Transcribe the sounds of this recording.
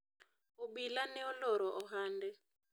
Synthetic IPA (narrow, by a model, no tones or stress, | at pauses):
uɓilanɛɔlɔɾɔʔɔɦaːndɛ